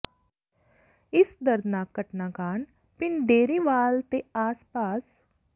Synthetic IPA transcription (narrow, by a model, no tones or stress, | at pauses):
ɪsd̪əɾd̪naːkːəʈnaːkaːɳ | pɪnɖ̪eːɾiːʋaːlt̪eaːspaːs